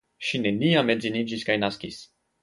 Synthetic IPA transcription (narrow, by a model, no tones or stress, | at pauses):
ʃine̞niame̞zinid͡ʒiskajnaskis